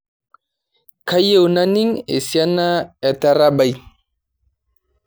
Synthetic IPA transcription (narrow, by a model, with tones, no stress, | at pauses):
ka˦je˦wna˦ni˦ŋḛ˨si˨a˦na˦ɛ˨ta˦ɾa˦ba˨j